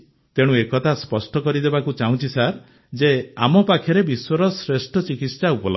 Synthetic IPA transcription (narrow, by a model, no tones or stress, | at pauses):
t̪eɽ̃ũekɔt̪ʰaspɔsʈɔkɔɾid̪ebakut͡ʃaɦũt͡ʃʰisaɾ | d͡ʒeamɔpakʰjɔɾebiswɔɾɔsɾesʈɔt͡ʃikit̪saupɔl̰